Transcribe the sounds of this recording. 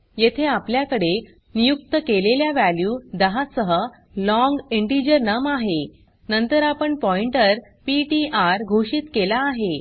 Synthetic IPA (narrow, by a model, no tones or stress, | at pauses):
jet̪ʰeapljakəɽe | nijuk̚t̪əkeleljaʋæljuːd̪əɦasəɦə | lɔ̃ŋɡeɳʈid͡ʑəɾnəmaɦe | nənt̪əɾapəɳpɔiɳʈəɾ | piʈiʔaɾɡʱoɕiːt̪kelaːɦe